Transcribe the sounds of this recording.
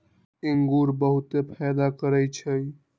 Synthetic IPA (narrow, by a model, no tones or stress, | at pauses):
iŋɡuɾbəɦut̪epʰɛjd̪akəɾəjt͡ʃʰəj